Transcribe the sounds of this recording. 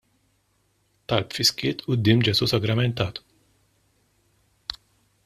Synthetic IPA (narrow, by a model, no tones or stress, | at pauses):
t̪ɐlpfiskɪːt̪ʰud̪ːimd͡ʒɛsusɐɡɾɐmɛnt̪ɐːt̪